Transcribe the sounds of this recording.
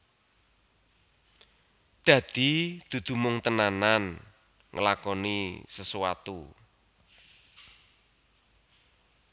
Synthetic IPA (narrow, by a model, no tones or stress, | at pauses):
d̪̥ä̤d̪̥i̤d̪̥ṳd̪̥ṳmʊŋt̪ənanan | ŋʔəlakɔnisəsuwat̪u